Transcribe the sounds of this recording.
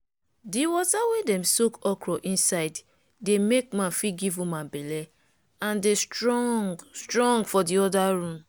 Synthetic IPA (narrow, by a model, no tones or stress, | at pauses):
diwɔtawedɛ̃msokɔkɹɔʔĩnsaɪd | demek̚mãnfiɡivũmãbelɛ | ãndestɹɔŋɡstɹɔ̃ŋɡfɔdiɔdaɹũn